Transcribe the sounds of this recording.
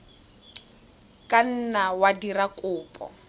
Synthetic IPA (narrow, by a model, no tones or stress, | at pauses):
kʼan̩nawadirakʼʊːpʼɔ̰